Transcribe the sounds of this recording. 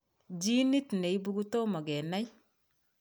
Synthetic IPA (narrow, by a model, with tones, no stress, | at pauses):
d͡ʒi˦ni˦tne˨i˦bu˦ɡu˦to˦mɔ˨ɡɛ˨na˦j